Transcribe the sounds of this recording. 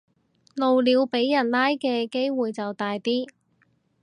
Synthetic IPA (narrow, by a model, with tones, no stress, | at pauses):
lo˨wliː˨˧wpe˨˥jːɐ˨˩nlaː˥jkɛː˧ke˥jwuː˨jt͡sɐ˨wt̪aː˨jt̪iː˥